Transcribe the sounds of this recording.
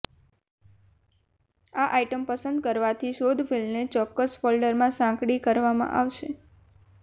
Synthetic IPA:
aʔajʈəmpəsə̃nd̪̚kəɾʋat̪ʰiʃod̪filmnet͡ʃɔkːəsfolɖəɾmãsãkɽikəɾʋamã̰ʔaʋʃe

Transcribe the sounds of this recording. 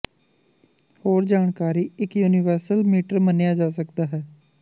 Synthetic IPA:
hoːɾd͡ʒaːɳkaːɾiːɪkjuːnɪʋəɾsəlmiːʈəɾmənejaːd͡ʒaːsəkd̪aːɦɛː

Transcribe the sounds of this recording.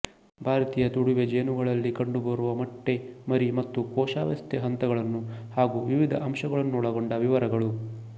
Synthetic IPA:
bʱaːɾɐt̪iːjɐt̪uɽuʋed͡ʒeːnuɡɐɭɐlːikɐɳɖubɐɾuʋɐmɐʈːe̞mɐɾimɐt̪ːukɔːʃaːʋjɐ̰st̪ʰeɦɐnt̪ɐɡɐɭɐnːuhaːɡuʋiʋid̪ʱɐʔɐmʂɐɡɐɭɐnːuːɽɐɡoɳɖɐʋiʋɐɾɐɡɐɭu

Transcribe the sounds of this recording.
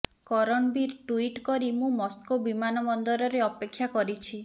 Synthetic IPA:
kɔɾɔɳbiɾʈuiʈkɔɾimũmɔskobimanɔmɔnd̪ɔɾɔɾeɔpekʰːjakɔɾit͡ʃʰi

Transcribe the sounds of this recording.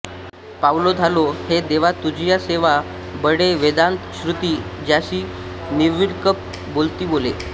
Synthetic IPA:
pawlod͡zʱalohed̪eʋat̪ud͡ʑʱjaseʋa | bəɽeʋed̪ant̪ɕɾut̪iːd͡ʑjaɕiː | niʋiɽkəp̚ | bolt̪iːbole

